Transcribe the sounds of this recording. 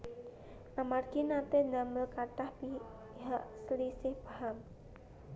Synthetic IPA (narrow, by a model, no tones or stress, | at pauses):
ʔamarɡinat̪enaməlkaʈahpi | ɦaʔsəlisɪhb̥aham